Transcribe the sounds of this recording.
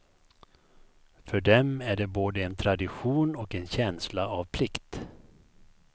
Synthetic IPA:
fœɖɛmæɖɛboːd̪əɛnt̪ʰɾad̪ɪɧuːnɔkɛnɕɛnslaavpʰlɪkt̪

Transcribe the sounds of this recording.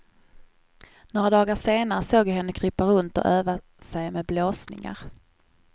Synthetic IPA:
noːɾad̪ɑːɡaʂeːnaɾəsoːɡjaɦɛnːəkʰɾʏpːaɾɵnt̪ɔ̰ʔøːva | sɛjmɛd̪̚bloːsnɪ̰ŋa̰ɾ

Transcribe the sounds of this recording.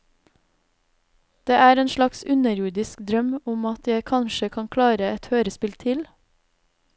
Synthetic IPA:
d̪̥eːʔæːɾeːnʃlɑksʉnəɾjuːɖɪskd̪ɾœmʊmɑt̪ʰjæɪkʰɑnʃəkʰɑŋkʰlɑːɾəɛt̪høːɾəspɪlt̪ʰɪl

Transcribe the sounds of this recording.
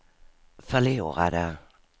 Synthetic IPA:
fœluːɾa̰d̪ə

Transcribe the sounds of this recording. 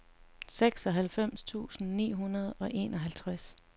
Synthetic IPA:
seɡ̥sɒ̽ɦælfem̰st͡sʰṵːsn̩nḭːɦunɐð̞ˠɒ̽ʔe̝̰ːnɒ̽ɦælt͡sʰʁas

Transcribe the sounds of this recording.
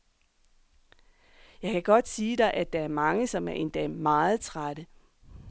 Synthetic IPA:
jɑ̈ɪkʰæɡ̥ɒ̽d̥siːd̥ɑ̈ɪʔæd̥ɑ̈æɐmɑ̈ŋəsɒ̽mæɐe̝nd̥ɛmɑ̈ːð̞̩ˠt͡sʰʁaɾ̥ə

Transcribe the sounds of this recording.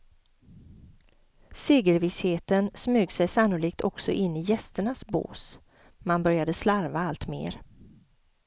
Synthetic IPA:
seːɡəɾvɪsheːt̪ənsmʉːɡsɛjsanːʊliːk̚t̪ʰɔksɔ̰ʔɪnːɪjɛst̪əɳasbo̰ːs | manbœɾjad̪əslaɾvaalt̪mḛːɾ

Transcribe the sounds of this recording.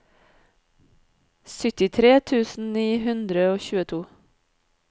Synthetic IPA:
sʏt̪ɪt̪ʰɾeːt̪ʰʉːsn̩niːɦʉnd̪ɾəoːçʉːət̪ʰuː

